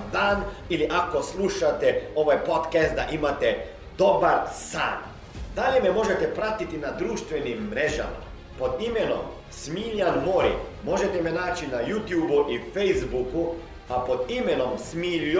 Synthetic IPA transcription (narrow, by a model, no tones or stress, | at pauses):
d̪aːn | iliʔakoslˠuʃat̪ɛo̞ʋajpot̪kɛst̪̚d̪aʔimat̪ɛ | d̪̥obaɾsa̰ːn | d̪aʎemɛmo̞ʒet̪ɛpɾat̪it̪inad̪ɾuːʃt̪ʋenimːɾeʒa̰ma̰ | pod̪imeno̰m | smiːʎanmoɾḭ | mo̞ʒet̪ɛmɛnaːt͡ʃinajuːt̪juːbuʔifejzbuku | apod̪imenomsmiːl